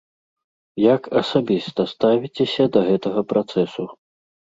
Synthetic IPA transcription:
jɐkɐsabʲist̪ɐst̪avʲit͡sʲɛsʲɐd̪ɐɣɛt̪ɐɣɐpɾat̪sɛsu

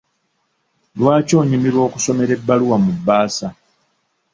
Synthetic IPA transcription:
lwaːco̞ːɲimiɾwo̞ːkuso̞me̞ɾe̞bːaluwamubːaːsa

